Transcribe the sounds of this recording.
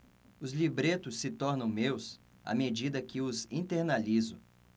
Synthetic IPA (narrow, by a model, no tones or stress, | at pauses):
ʊzlibɾet̪ʊsːɪt̪ɔɾnɐ̃w̃mews | a̰med͡ʒid̪ɐkɪʊzĩnt̪eɾnalizʊ